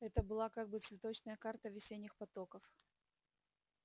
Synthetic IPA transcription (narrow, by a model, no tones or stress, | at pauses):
ɛt̪əbɨlˠakaɡ̚bɨt̪svʲɪt̪ot͡ɕnəjəkart̪əvʲɪsʲenʲɪxpɐt̪okəf